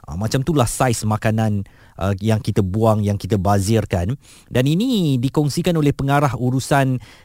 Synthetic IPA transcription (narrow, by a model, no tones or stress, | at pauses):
ʔa̰mat͡ʃamt̪ulahsajsmakanãn | ʔəjaŋkit̪əbuaŋjaŋkit̪əbazɪrkan | daninĩdikɔŋsikanolɛhpəŋaɾahuɾusan